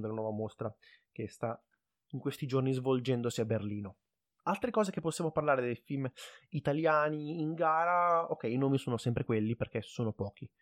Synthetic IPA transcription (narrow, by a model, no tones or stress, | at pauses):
d̪elːanwɔːvamost̪ɾa | kest̪a | iŋkwest̪id͡ʒornizvold͡ʒɛnd̪osiaberliːno | alt̪ɾekɔːzekepːosjamoparlaːɾed̪ejfilmit̪aljaːniːŋɡaːɾaokːɛinoːmisoːnosɛmpɾekwelːiperk̟esːoːnopɔːki